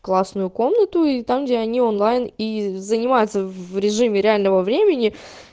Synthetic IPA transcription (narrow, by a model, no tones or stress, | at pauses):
klˠasnʊjʊko̞mnət̪ʊit̪amɡdʲeɐnʲionlˠajnizənʲɪmajʊt̪səvɾʲɪʐɨmʲɪɾʲɪalʲnəvəvɾʲemʲɪnʲɪ